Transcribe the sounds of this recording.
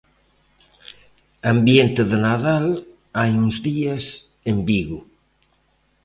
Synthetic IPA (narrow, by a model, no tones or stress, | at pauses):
ambjent̪ɪðɪnaðal | ajuŋzðiɐs | embiɣʊ